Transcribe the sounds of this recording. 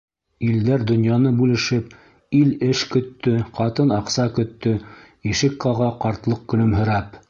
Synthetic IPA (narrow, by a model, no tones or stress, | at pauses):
ild̪æɾd̪ŏnjɑnɤbʉlɘ̆ʃɘp | ilɘʃkɵ̆t̪ːɵqɑt̪ɤnɑqsɑkɵ̆t̪ːɵ | jɘ̆ʃɘ̆kqɑʁɑqɑɾt̪lˠɤq̚kɵ̆lɵmɦɵ̆ɾæp